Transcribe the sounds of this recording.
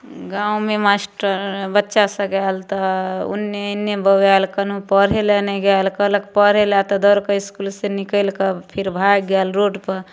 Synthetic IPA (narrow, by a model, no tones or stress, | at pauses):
ɡãumemasʈəɾbətːʃasə̃ɡalt̪ɔṵnːeənːebəʋalkənũpəɾɦelɛneɡɛlkələkpəɾ̤elɛt̪ɔd̪əɾkəiskulsẽnikəlkəpʰiɾbʱajɡɛlɾoɖpəɾ